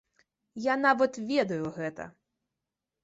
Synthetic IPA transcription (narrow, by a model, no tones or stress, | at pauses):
janaʋɐt̪vʲɛd̪ɐjʊɣɛt̪ɐ̰